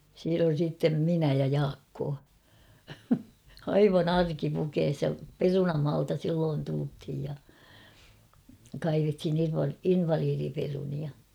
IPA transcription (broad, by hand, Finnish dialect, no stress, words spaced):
siːn on̞ siːtːem minæ jɑ jɑːkːoː ɑiʋɑn ɑrkipukeːs jɑ perunɑmɑːltɑ silːoːn tulthij jɑ kɑiʋethin inʋɑ inʋɑliːriperuniɑ